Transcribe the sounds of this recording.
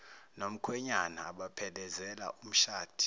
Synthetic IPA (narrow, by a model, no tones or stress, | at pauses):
nom̩kʰwɛɲanaːɓapʰɛlɛzɛla̰ʔum̩ʃaːtʰi̥